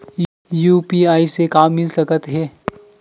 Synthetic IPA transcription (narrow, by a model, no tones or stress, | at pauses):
juːpiaːisekaːmːɪlsɐkət̪ɦɛː